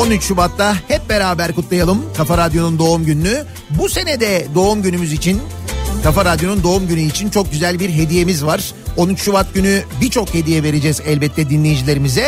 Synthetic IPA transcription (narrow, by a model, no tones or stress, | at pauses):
o̞nyt͡ʃʃubat̪lahɛp̚be̞ɾaːbæɾkut̪lˠajalˠɯmkʰafaɾad̪jo̞nund̪o̞umɟynːy | buse̞nɛd̪ɛd̪o̞umɟynymyzit͡ʃʰin | kʰafaɾad̪jo̞nund̪o̞umɟynyit͡ʃʰint͡ʃʰo̞k̚ɟyzælʲbiɾɦe̞d̪ije̞mizvaɾ̥ | o̞nyt͡ʃʃubat̪̚ɟynybit͡ʃʰo̞khe̞d̪ijɛve̞ɾe̞d͡ʒɛzɛlʲbɛt̪ʰːɛd̪inlʲejid͡ʒilʲe̞ɾimizɛ